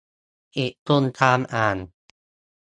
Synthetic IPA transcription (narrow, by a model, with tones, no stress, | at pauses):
ʔe˨˩ʔt̪ʰu˧nt̪ʰaː˧mʔaː˨˩n